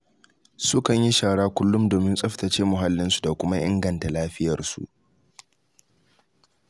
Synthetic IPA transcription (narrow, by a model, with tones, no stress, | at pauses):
sʊ˦kɐ˨ɲji˦ʃaː˨ɽaː˦kʷʊ˦lːʊ˦mdoː˨mɪ˦nsʼɐ˦ɸtɐ˨t͡ʃeː˦mʊ˨ɦa˦lːɪ˦nsu̥˨da˨kʷʊ˦ma˦ʔɪ̰˦ŋɡɐ˨nta˨laː˦ɸɪ˦jɐ˨rsṵ˨ʔ